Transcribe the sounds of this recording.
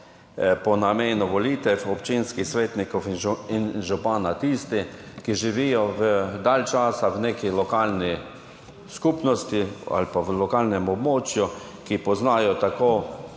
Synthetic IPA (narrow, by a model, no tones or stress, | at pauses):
pɔnameːnʊʋɔliːt̪ɛwɔpt͡ʃinskixsʋeːt̪nikɔwininʒupaːnat̪iːst̪i | kiʒiʋijɔʋəd̪aːlt͡ʃaːsawneːkilɔkaːlni | skupnɔst̪ia̰lpaʋlɔkaːlnɛmɔbmoːt͡ʃju | kipɔznaːjɔt̪akoː